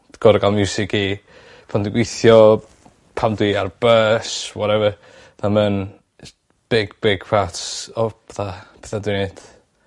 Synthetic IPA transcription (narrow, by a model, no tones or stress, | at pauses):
ɡ̥ɔɾɡalˠmjuːsɪkʰi | pʰandɪɡwejθjɔ | pʰamdwiarb̥əswɔɾɛvə | ðamən | b̥ɪɡ̥bɪɡ̥pʰatsɔb̥əθapʰɛθadɪned̥